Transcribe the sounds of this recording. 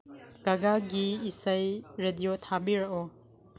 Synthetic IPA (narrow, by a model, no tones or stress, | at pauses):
ɡ̥aɡaɡiːsɐjɾedijot̪ʰabiɾaʔɔ